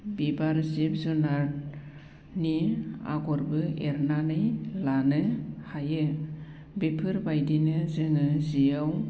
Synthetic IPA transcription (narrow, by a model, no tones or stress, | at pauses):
bibaɾzip̚zɔnaɾ | nia̰ɡɔɾbɯeɾnanɯjlanɯhajɯ | bepʰɯɾbajdinɯzɯŋɯzijaw